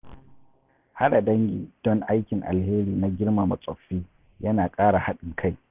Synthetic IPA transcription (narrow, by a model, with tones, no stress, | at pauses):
ha˦ɗa˨dɐ˦ŋɡʲḭː˨d̥ɔ˦ŋʔa˦jkʲɪ˨ŋʔa̰˨lheː˦ɾiː˨na˦ɡʲɪ˦ɽma˨mɐ˨sʼɔ˨ɸːiː˦ | jɐ˦naː˨kʼaː˦ɽa˨ha˦ɗɪ˨ŋkʰa˦˨j